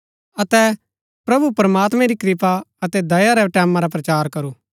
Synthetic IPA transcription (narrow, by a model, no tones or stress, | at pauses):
ɐt̪ɛ | pɾɐbupɐɾɐmaːt̪mɛ̃ɾikɾɪpaɐt̪ɛd̪ɐjaɾɛʈɛːmãɾap̬ɾɐt͡ʃaːɾkɐɾuː